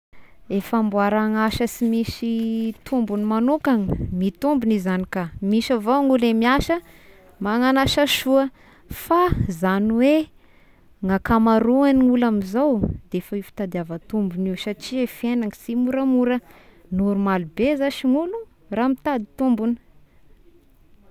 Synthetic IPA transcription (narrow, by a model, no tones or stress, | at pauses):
efambuaɾaŋaʃəsimisit̪ʰumbunimanukaŋimit̪umbunizanikamiʃavoŋulemiaʃə | maŋanaʃaʃuə | fazaniwe | ŋakamaɾuaniŋulamizowd̪̥eefəifi̥t̪ad̪iavət̪umbuniwsaʈ͡ʂiefienaŋsimuɾəmuɾə | nuɾumalubezaʃiŋulu | ramit̪ad̪it̪umbun